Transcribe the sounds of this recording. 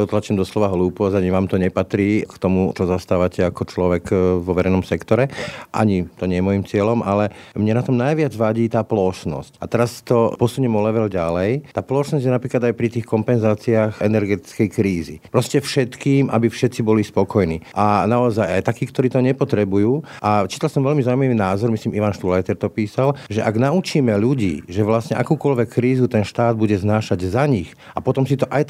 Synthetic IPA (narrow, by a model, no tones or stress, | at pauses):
ɔt̪lat͡ʃiːmd̪ɔslɔʋaɦluːpɔzaɲiʋaːmt̪ɔɲɛpat̪ɾiːkt̪ɔmut͡ʃɔzast̪aːʋacʰɛakɔt͡ʃlɔʋɛkʋɔʋɛɾɛɪnɔmsɛkt̪ɔɾɛʔa̰ɲit̪ɔɲɛjɛmɔjimt͡sɪɛlɔmʔalɛmɲɛnat̪ɔmnajʋɪad͡zʋaɟiːt̪aːplɔʃnɔ̰scat̪ɛɾast̪ɔpɔsuɲɛmɔlɛʋɛlɟalɛjt̪aːplɔʃnɔzɟjɛnapɾiːklad̪ajpɾit̪iːxkɔmpɛnzaːt͡siaːxɛnɛɾɡɛt̪i̥t͡skɛjkɾiːzḭpɾɔscɛfʃɛt̪kiːmʔa̰bifʃɛt̪t͡sibɔlispɔkɔjniːʔanaɔzajajt̪akiːkt̪ɔɾiːt̪ɔɲɛpɔt̪ɾɛbujuːʔat͡ʃiːt̪alsɔmʋɛlmizaumaʋiːnaːzɔɾmisliːmiʋanʃt̪ulajt̪ɛɾt̪ɔpiːsalʒɛʔaɡnaut͡ʃiːmɛʎuɟḭːʒɛʋlasɲɛʔakuːkɔʎʋɛkʰːɾiːzut̪ɛnʃt̪aːd̪̚buɟɛznaːʃaɟzaɲix | apɔt̪ɔmsit̪ɔʔaj